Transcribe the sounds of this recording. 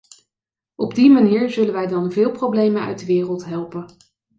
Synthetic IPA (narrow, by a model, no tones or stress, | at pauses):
ʔɔbdimaniːɹzɵlənʋɛjdɑnvɪːlˠprowblejmənœ̰ɥ̚dəʋɪːrəlˠtɦɛlˠpən